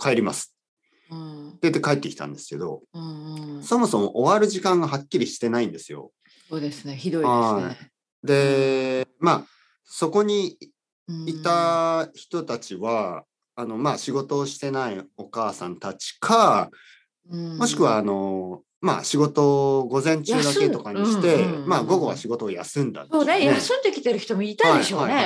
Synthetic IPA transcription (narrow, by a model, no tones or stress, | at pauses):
kʰaeɾʲima̰sɨ̥ | d̪̥et̪ːekaet̪ːekʲi̥t̪ã̰nd̪e̞sɨ̥ke̞d̪o̞̰ | so̞mo̞so̞mo̞̰ʔoβaɾɯ̟ʑikãŋɡaɦakʲːiɾʲiɕi̥t̪e̞naĩnd̪e̞sɨjo̞̰ | soːd̪esɨneçid̪o̞iai | d̪e̞ | ma | so̞ko̞ɲ̟i | it̪açi̥t̪o̞t̪at͡ɕiβaː | no̞maɕiɡo̞t̪o̞ːɕi̥t̪e̞naio̞kaːsã̰nt̪at͡ɕi̥kʰa | mo̞ɕi̥kɯ̟βaːno̞ | ma̰ɕiɡo̞t̪o̞ɡo̞zẽ̞ɲ̟t͡ɕɨːd̪ake̞o̞kaɲiɕi̥t̪e̞maɡo̞ɡo̞βa̰ɕiɡo̞t̪oːjasɨ̃nd̪a̰oːejasɨ̃nd̪ekʲi̥t̪e̞ɾɯ̟çi̥t̪omoiɾit̪aiadieoaie